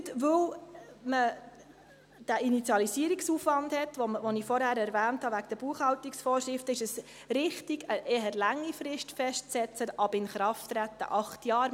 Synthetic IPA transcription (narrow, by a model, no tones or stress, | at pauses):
tʋɵwmə | d̥æʔinit͡sjɑlisiːəɾiksuːfʋɑndhɛt̪ʋɔvɔnifɔɾhæːɾɛɾvæːnthɑʋækd̥̪əb̥uəχhɑwt̪iksfɔːʃɾɪftəɪʃəs | ɾɪχtiɡəʔeːɦəɾlæŋːifɾɪʃtfɛʃtt͡sɛt͡səɑbɪnχɾɑft̪ɾæt̪ːə̰ʔɑχt̪jɑːɾ